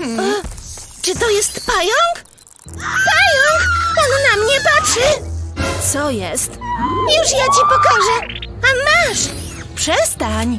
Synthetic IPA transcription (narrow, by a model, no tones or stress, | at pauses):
at͡ʂɨt̪ɔjɛst̪pajɔŋk | pajɔŋkannamɲɛpaʂɘt̪sɔjɛst̪juʂjat͡ɕipɔkɔʐɛ | amaʂ | pʂɛst̪aɲ